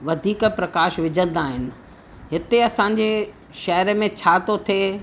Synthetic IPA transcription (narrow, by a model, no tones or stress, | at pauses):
ʋɐd̪ʱiːkpɾɐkaːʃʋɪd͡ʑʱə̃n̆d̪aːɦɪnɪ̆ | ɦɪt̪eɐsãːɲ̆d͡ʑe | ʃɐɦɾmẽt͡ɕʰaːt̪ot̪ʰeː